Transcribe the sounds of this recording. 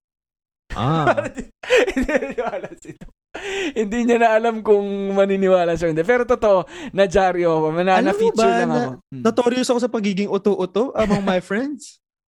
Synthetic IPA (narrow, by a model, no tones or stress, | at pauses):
ʔa̰paɾɐd̪hɪniɐnnɪwaːlɐsɪt̪o | hɪnd̪iɲɐnɐʔɐlamkʊŋmɐninɪwaːlɐʃɐɪnd̪ɛp̬ɛːɾot̪ot̪o̞ʔonɐd͡ʒaːɾɪokomɐnalɐfit͡ʃʊɐŋɐkɐonɐt̪oːɾɪjosɐkosɐpɐɡiːɡɪŋʔʊt̪oʔʊt̪oʔɐmɐŋmɐjfɹɛnd̪̚s